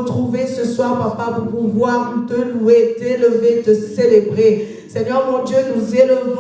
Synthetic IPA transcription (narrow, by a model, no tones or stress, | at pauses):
t̪χuvesəswaʁpaʁpapuʁpuvwaʁut̪əluet̪eləvet̪əselebʁe | sɛɲœʁmɔ̃d̪jønuzeləv